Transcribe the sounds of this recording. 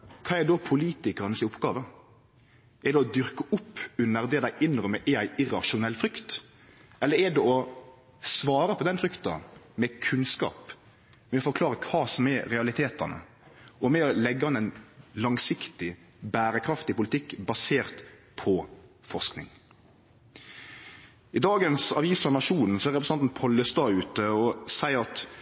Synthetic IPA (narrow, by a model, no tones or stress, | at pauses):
kʰɑːɛɖ̪ɔpʰʊliːt̪ɪkəɾənəsɪʊpɡɑːʋə | ɛɾɖ̪ɛɔd̪ʏɾkəʔʊpːʉnːəɾd̪ɛd̪æɪʔɪnʁœmːəʔɛæɪʔɪɾɑʃʊnɛlːfɾʏkt̪ | ʔɛlːəɾɛd̪ɛɔ | sʋɑːɾəpʰɔd̪ɛnfɾʏkt̪ɑ̰mɛkʰʉnskɑ̰ːp | mɛɔfɔɾkʰlɑːɾəkʰʋɑːsɔmɛɾɛɑlɪt̪ʰeːt̪ənə̰ | ʔɔmɛɔlɛɡːəhɑnɛɪnlɑŋsɪkt̪ɪ | bæːɾəkʰɾɑft̪ɪpʊlɪt̪ʰɪkːbɑseːʁt̪pʰɔfɔʁsknɪ̰ŋ | ɪd̪ɑːɡənsɑʋiːsɑnɑʂuːnn̩sɔæɾɛpɾəsɑnt̪n̩pʰɔləst̪ɑːʉːt̪əɔsæɪɾɑt̪